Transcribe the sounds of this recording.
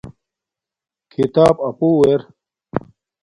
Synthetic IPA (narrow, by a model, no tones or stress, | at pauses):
kʰit̪aːbɐpuːweɾ